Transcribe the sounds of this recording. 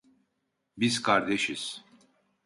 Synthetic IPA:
bizkʰaɾd̪eʃiz̥

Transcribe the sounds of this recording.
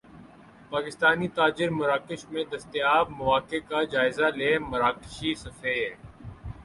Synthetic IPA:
paːkɪst̪aːnit̪aːd͡ʒɪɾmʊɾaːkɪʃmẽd̪ɐst̪ɪjaːbmɐʋaːkekad͡ʒaːɪzaleːmɐɾaːkɪʃisɐfeːɦɛː

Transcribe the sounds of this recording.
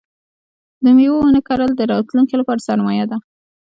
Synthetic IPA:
d̪əmiwonəkaɾəld̪əɾɑt̪luŋkilapɑɾasaɾmɑjad̪a

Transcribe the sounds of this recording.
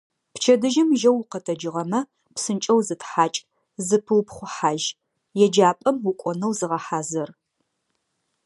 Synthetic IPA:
pt͡ʃʰɐdɨʒɪmʒɐwqɐtʰɐd͡ʒɨʁɐmɐ | psɨnt͡ʃʼɐwzɨtʰħaːt͡ʃʼ | zɨpʰɨwpχʷʊħaːʒ | jɛd͡ʒaːpʼɐmwʊkʷʼɔnɐwzɨʁɐħaːzɐr

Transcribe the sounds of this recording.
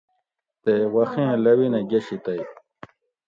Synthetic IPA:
t̪ewɐxẽːlɐwineɡeɕit̪aj

